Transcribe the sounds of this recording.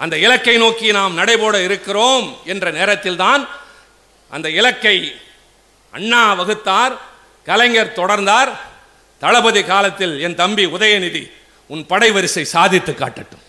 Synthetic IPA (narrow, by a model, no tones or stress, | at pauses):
ʔɐnd̪ɐɪlɐkːɐɪnoːkinaːmnɐɽɐɪpoːɽɐɪɾɯkːɪroːmɛndrɐneːɾɐt̪ːɪlt̪aːn | ʔɐ̰nd̪ɐɪlɐkːɐɪ | ʔɐ̰ɳːaːʋɐɣɯt̪ːaːɾ | kɐlɐɪŋɡɐɾt̪ɔɽɐɾnd̪aːɾ | t̪ɐlɐbɐðikaːlɐt̪ːɪlɛnt̪ɐmbiʊðɐjɐnɪði | ʊnpɐɽɐɪʋɐɾɯsɐɪsaːðɪt̪ːɯkːa̰ːʈːɐʈːɯm